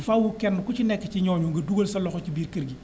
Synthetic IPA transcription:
fawukɛnːʊkut͡ʃinɛkːɛt͡ʃiɲɔːɲuŋɡɐduɡolsɐlɔxɔt͡ʃibiːɾkɐɾɡi

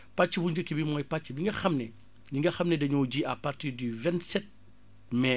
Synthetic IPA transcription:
pat͡ʃːibuɲd͡ʒəkːibimɔːjpat͡ʃːibiŋɡɐxɐmnɛ | ɲiŋɡɐxɐmnɛdɐɲɔːɟiapartiɾdivɛntsɛt̚ | mɛ

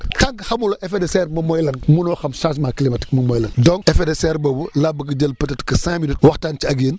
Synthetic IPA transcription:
tɐŋkxɐmuloʔefedesɛrmɐmɔjlɐnmunɔːxɐmsas̬maːkilimɐti̥k̚mɐmɔjlɐndɔŋefedesɛɾbɐbulabɐɡɐɟɐlpɐtɐtkɐsãminut̚wɐxtaːnt͡ʃiaɡeːn

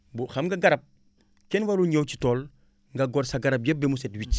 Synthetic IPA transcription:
buxɐmɡaɡɐɾɐp̚ | kɛnwaluɲowt͡ʃi̥toːl | ŋɡɐɡɔɾsaɡɐɾɐp̚jɛbːemusɛtwic

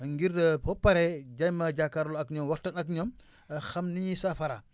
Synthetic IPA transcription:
ŋɡiɾpɔpːɐɾɛɟɐjmɐɟakːaɾlɔɐkɲɔːmwɐxtɐnɐkɲɔm | xɐmniɲisɐfɐɾɐ

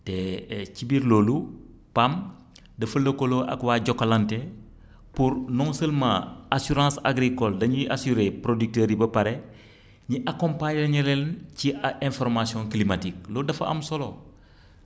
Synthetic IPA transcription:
tɛːcibiɾloːlu | pam | dɐfɐlɐkoloʔɐ̰kwaːɟɔkːɐlɐntɛ | puɾnɔŋsəlmã̰asuɾãːsa̰ɡɾikɔldɐɲiʔasyɾepɾodyk̚təːɾibɐpɐɾɛ | ɲiʔakɔ̃mpaɲɐɲɛlɛlnciaɛ̃nfɔɾmasijɔ̃ŋklimatik̚lodɐfɐ̰ʔɐ̰msɔlo

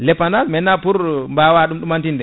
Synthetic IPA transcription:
lɛpːandalmɛnːapuɾmbawaɗumɗumantindɛ

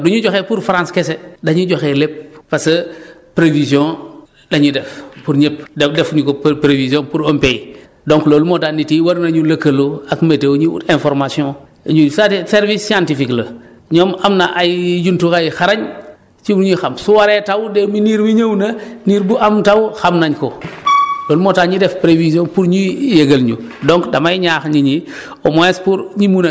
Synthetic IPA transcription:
duɲuɟɔxepuɾfaɾãnskesedaɲuɟoxelep̚ːasɐpɾevisiɔ̃ | daɲudɛfpuɾɲep̚ddɛfɲukopɾevisiõnpuɾompej | doŋkloːlumodanitiwɐɾnaɲulɐkɐloakmetewɲiṵtẽnfɔɾmasiõ | ɲusatseɾvisːiãntifiklɐ | ɲɔːmamnaʔajjuntukajxaɾaɲ | t͡ʃibuɲixamsuwaɾetawdeminiːɾmiɲownɐniːɾbuʔamtawxamnaɲko | loːlumotaːɲidɛfpɾevisionpuɾɲijeɡɐlɲṵ | dɔŋkdɐmajɲaːxɲiɲi | omoespuɾɲimuna

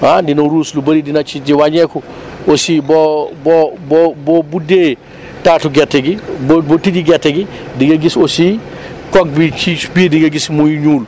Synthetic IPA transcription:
adinoɾuːslubɐɾidinɐt͡ʃid͡ʒiwaɲɛku | osibobɔbobobude | tatuɡɛtːɛɡibbotid͡ʒiɡɛtːɛɡi | diŋɡeɡisosi | kɔk̚bit͡ʃibidiŋɡeɡismujuɲuːl

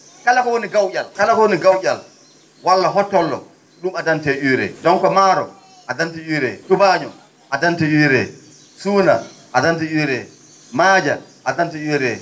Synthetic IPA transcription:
kalakɔwoniɡawʔʲalkalakɔwoniɡawjʲal | walːaɦɔtːɔlːɔ̰ | ɗumadantɛʔuɾɛ̰d͡ʒɔŋkɔmaːɾɔ | ʔadantijuɾɛtubaːɲɔ | ʔadantijuɾɛ | suːna̰ʔadantijuɾɛ | maːd͡ʒa̰ʔadantiuɾɛ

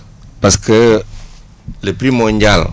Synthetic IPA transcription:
paskə | lepɾimɔɲd͡ʒal

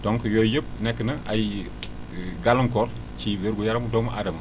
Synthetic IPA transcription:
dɔŋkjojəp̚nɛkːənɐaj | ɡalɐŋkɔɾ | ciweɾɡujaɾɐmdɔmɐʔadɐmɐ

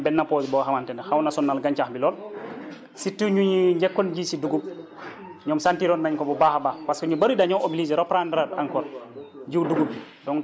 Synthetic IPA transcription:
bɛnːapɔːsbɔɦamantɛnɛhawnasɔnːalɡaɲt͡ʃaxbilɔːl | sitːiɲuɲiɲd͡ʒɛkːɔnɟisiduɡu | ɲɔːmsantiɾɔnmaɲkɔbubahabapaskɔɲubaɾidaɲɔmoblizɛɾɔpɾandɾaɾaŋkɔlɟiwduɡubi | dɔŋ

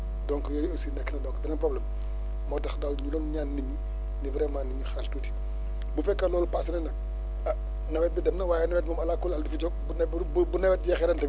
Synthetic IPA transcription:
dɔŋkjɔːjəsinɛkːnɐdɔŋkbinɐnpɾɔblɛːm | mɔːtɐxdawɲulɔːnɲaːnːimi | nibɾɛmaːniɲuxaltuːti̥ | bufɛkːɐlɔːlupasɐnɛnɐ | ɐ | nɐwɛt̚bidɛmnɐwaːjɛnɐwɛt̚mɔːmɐlakːulaldufiɟɔ | bun | bubunɛwɛt̚jɛxɛɾɛntɐ

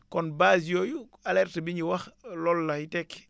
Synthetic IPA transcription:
kɔnbaːsjɔːju | alɛrtbiɲiwɐxlɔlːahitɛk

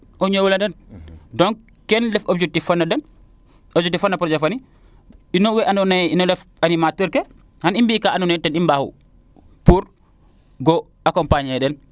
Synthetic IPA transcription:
ʔɔɲowulandɛndɔŋ | kɛnlɛfob̚d͡ʒɛk̚tifanːadɛn | ɔbd͡ʒɛk̚tːifanːapɾɔd͡ʒɛfani | inɔwɛʔanɔnainɔlɛfanimatəɾkɛ | hanimbiːkaanunɛtɛnimbahṵ | puɾ | ɡɔ | akɔmpaɲɛɗɛn

